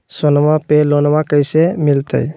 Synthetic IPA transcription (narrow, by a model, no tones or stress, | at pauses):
sonmapelonmakəjsemilt̪ə̰j